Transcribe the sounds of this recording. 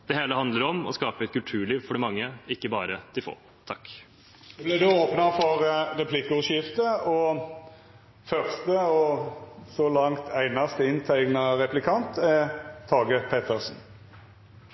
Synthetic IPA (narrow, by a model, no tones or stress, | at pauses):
d̪̥ɛheːləhɑnd̪ləɾɔmɔ̰skɑːpəɛt̪̚kʰʉlt̪ʰʉːɭiːʋfɔɖɪmɑŋːəɪkːəbɑːɾəd̪̥ɪfo̰ː | t̪ʰɑkː | blɪd̪ʉoːpnɑfɔɾɾɛpʰlɪkːəʊʂjɪft̪əɔ | fœʁst̪əɔsɔlɑŋt̪ʰæɪnɑst̪əɪnt̪ʰæɪɡnɑɾɛplɪkʰɑnt̪ʰɛt̪ʰɑːɡəpʰɛt̪əsn̩